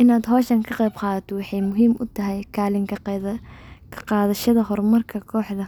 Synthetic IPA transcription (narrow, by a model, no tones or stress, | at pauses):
ʔɪnaːd̪ɦɔːʃɐŋkʰɐqɛjbqɑːðɐt̪ʰɔwɑħɑjmʊɦiːmʔʊt̪ʰɐɦɛjkʰaːlɪŋk | kʰɐ̥qɑːðɐʃɐðɐɦɔrmɐrkʰɐkʰɔːħðɐ